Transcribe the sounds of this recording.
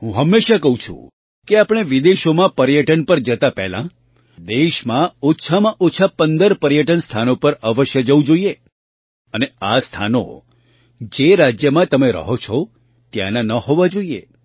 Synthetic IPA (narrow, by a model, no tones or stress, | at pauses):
ɦũɦəmːeʃakəɦũt͡ʃʰṵ̃ | keapɽ̃eʋid̪eʃomãpəɾjəʈənpəɾd͡ʒət̪apɛ̰ɦlã̰ | d̪eʃmãotːʃʰamãʔotːʃʰapənd̪əɾpəɾjəʈənst̪ʰanopəɾəʋəʃjəd͡ʒəʋũd͡ʒoie | əneast̪ʰa̰no̰ | d͡ʒeɾad͡ʒjəmãt̪əmeɾə̰ɦot͡ʃʰɔ | t̪ja̰nanəhoʋad͡ʒoiḛ